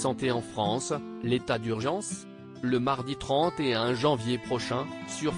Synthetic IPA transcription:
sɑ̃t̪eɑ̃fχɑ̃slet̪ad̪yʁʒɑ̃s | ləmaʁd̪it̪χɑ̃t̪eɛ̃ʒɑ̃vjepχɔʃɛ̃syʁ

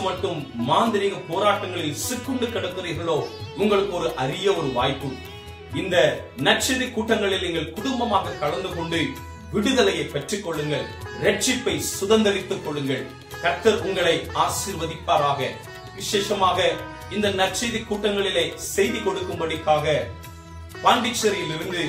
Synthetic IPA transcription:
mɐʈːɯmːaːnd̪ɪɾɪɣɐpoːɾaːʈːɐŋɡɐɭɪlsɪkːɯɳɖɯkːɐɽɐt̪ːɯriːɾɣɐɭoːʊŋɡɐɭɯkːɔɾɯʔɐɾɪjɐɔɾɯʋaːjpːɯ | ɪnd̪ɐnɐʈt͡ʃɪðikːuːʈːɐŋɡɐɭɪlniŋɡɐɭkʊɽʊmbɐmaːɣɐkːɐɭɐnd̪ɯkɔɳɖɯ | ʋɪɽɯðɐlɐjɐɪpɛʈrikːɔɭːɯŋɡɐɭɾɛʈ̚t͡ʃɪpːɐɪsʊðɐnd̪ɐɾɪt̪ːɯkːɔɭːɯŋɡɐɭ | kɐɾt̪ːɐɾʔʊŋɡɐɭɐɪaːsiːɾʋɐðɪpːaːɾaːɣɐ | ʋɪʂeːʂɐmaːɣɐ | ɪnd̪ɐnɐʈ̚t͡ʃɐðikːuːʈːɐŋɡɐɭɪlɐɪsɛjðikɔɽɯkːɯmbɐɽɐkːaːɣɐ | paːɳɖɪt͡ʃːɐɾɪjɪlɪɾɯnd̪ɯ

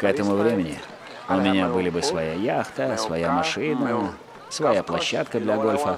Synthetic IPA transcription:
kɛt̪əmʊvɾʲemʲɪnʲɪ | ʊmʲɪnʲabɨlʲɪbɨsvɐjajaxt̪əsvɐjamɐʂɨnə | svɐjaplˠɐɕːat̪kəd̪lʲɐɡo̞lʲfə

